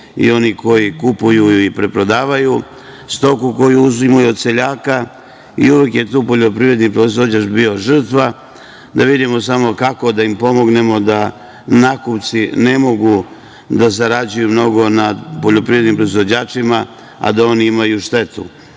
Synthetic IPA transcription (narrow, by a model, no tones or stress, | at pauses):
ḭo̞niko̞jikupujuuipɾe̞pɾo̞d̪aːʋaju | st̪o̞kuko̞juuzimajuod̪se̞ʎaːka | ḭuʋekje̞t̪uːpo̞ʎo̞pɾiʋɾe̞d̪nipɾo̞izʋo̞d͡ʑat͡ʃbio̞ʒr̩t̪ʋa | d̪aʋid̪imo̞s̬amo̞kako̞d̪aimpo̞mo̞ɡne̞mo̞d̪a | nakupt̪sine̞mo̞ɡu | d̪as̬aɾad͡ʑujumno̞ɡo̞nad̪poʎo̞pɾiʋɾenimpɾo̞izvʋo̞d͡ʑaːt͡ʂima | a̰d̪ao̞niimajuʃt̪e̞t̪ṵ